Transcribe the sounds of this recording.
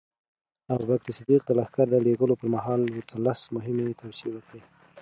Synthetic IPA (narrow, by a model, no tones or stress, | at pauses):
awbakɾisad̪iq̚d̪əlaxkaɾd̪əleɡəlopəɾmaɦɑlwʊt̪ʰalasmʊɦɪmet̪awsiewəkɽi